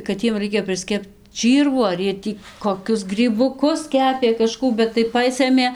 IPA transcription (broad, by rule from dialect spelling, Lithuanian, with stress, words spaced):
kɐt ˈjiɛm ˈrɐɪkʲɛ pʲrʲɪsʲˈkʲɛpt ˈt͡ʃʲiːrʋuː ɐr ˈjiɛ ˈtʲiː koːˈkʲʊs ɡrʲiːbʊˈkʊs ˈkʲæːpʲeː kɐˈʃkuː bʲɛt tɐɪ ˈpɑːsɘmʲeː